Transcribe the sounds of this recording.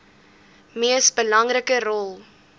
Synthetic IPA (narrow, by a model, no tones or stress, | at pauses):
miəsbəlɐŋrəkəɾɔlˠ